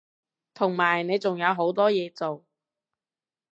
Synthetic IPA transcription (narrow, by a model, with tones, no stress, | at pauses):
t̪ʰʊ˨˩ŋmaː˨˩jne˨˧jt͡sʊ˨ŋjɐ˨˧wɦo˨˥wt̪ɔː˥jɛː˨˧t͡so˨w